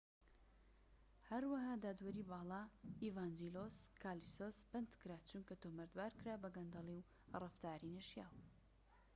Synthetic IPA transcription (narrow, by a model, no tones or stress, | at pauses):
hɐɾwɐɦaːd̪aːd̪wɐɾibɑːlˠɑːivaːnd͡ʒiloskʰaːlisosbɐnd̪kɨɾaːt͡ʃuŋkɐt̪oːmɐɾd̪baːɾkɨɾaːbɐɡɐnd̪ɑlˠiw | rɨft̪aːɾineʃjaːw